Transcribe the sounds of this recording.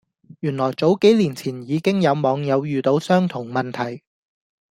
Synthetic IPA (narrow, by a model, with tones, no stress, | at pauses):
jyː˨˩nlɔː˨˩jt͡so˨˥wke˨˥jliː˨˩nt͡sʰiː˨˩njiː˨˧kɪ˥ŋjɐ˨˧wmɔː˨˧ŋjɐ˨˧wjyː˨t̪o˨˥wsœː˥ŋt̪ʰʊ˨˩ŋmɐ˨nt̪ʰɐ˨˩j